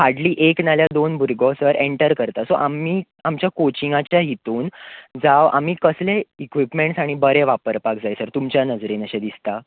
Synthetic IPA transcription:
haɾɖliːʔeknaljad̪onbʱuɾɡɔsəɾʔeɳʈəɾkəɾt̪asoʔamiː | amt͡ɕjakot͡ɕiŋɡat͡ɕjaɦit̪uːnd͡zaʋa̰miːkəsleikʋipmeɳʈsaɽ̃ibəɾeʋapəɾpakd͡zajsəɾt̪umt͡ɕjanəd͡zɾenəɕed̪ist̪a

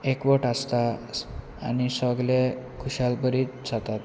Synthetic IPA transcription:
ekʋəʈast̪a̰ː | nisəɡlekʰuɕalbəɾiːt̪̚d͡zʱat̪at̪

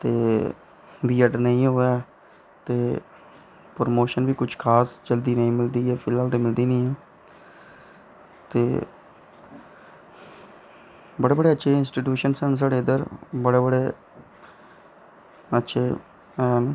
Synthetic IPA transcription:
t̪eː | ʋiːəɖnəĩːɦoːɛː | t̪eː | pɾəmoːʃənbiːkʊt͡ʃʰkʰaːsd͡ʒəld̪iːnəĩːmɪld̪iːɛːpʰɪlɦaːlt̪eːmɪld̪iːnəĩːɛː | t̪eː | bəɽeːbəɽeːətːʃʰeːɪnsʈiːʈjuːʃənsəns̬aːɽeːəd̪əɾbəɽeːbəɽeː | ətːʃʰeː | n

